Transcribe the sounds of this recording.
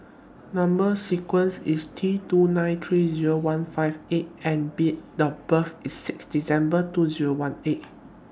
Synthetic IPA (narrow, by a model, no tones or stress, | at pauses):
nãmbəsikwə̃nsistʰitunãɪ̃nt̪ʰɹiziɹowãnfaɪvet̚ɛ̃nbit̚dəbəfisːɪksdisɛ̃mbətuziɹowãnet̚